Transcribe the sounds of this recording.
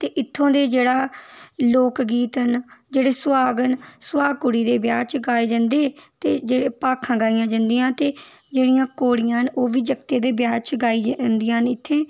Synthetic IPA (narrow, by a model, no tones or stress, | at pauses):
t̪eːʔɪt̪ʰːõːd̪eːd͡ʒeːɽaːloːkɡiːt̪ənd͡ʒeːɽeːswaːɡənswaːkʊɽiːd̪eːbjaːd͡ʒt͡ʃɡaːeːd͡ʒənd̪eːt̪eːd͡ʒeːɽeːpaːkʰːãːɡaːijãːd͡ʒə̃nd̪ijãːt̪eː | d͡ʒeːɽijãːkoːɽɪjãːɦənoːʋiːd͡ʒəkt̪eːd̪eːbjaːd͡ʒt͡ʃɡaːiːd͡ʒnd̪ijãːɦnɪt̪ʰːeː